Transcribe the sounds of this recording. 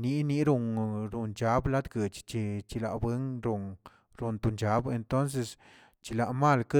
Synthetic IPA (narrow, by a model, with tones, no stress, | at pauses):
ni˧˦ni˧˦ɾu˧ŋɾu˨nd͡ʒa˨˦bla˦d̪ɡə˨t͡ʃt͡ʃi˧t͡ʃi˧la̰˧˨bwe˦ŋɾu˧ŋ | ɾu˨nt̪u˧˨nd͡ʒa˦be˧nt̪o˦ns̬e˧s | t͡ʃi˧la˨ʔma˦˧˨lkɨ˦